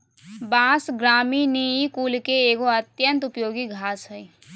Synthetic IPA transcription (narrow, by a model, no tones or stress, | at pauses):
bãsɡɾaːminijikuːlkeːɡoət̪jənt̪upjoːɡiɡʱaːsɦəj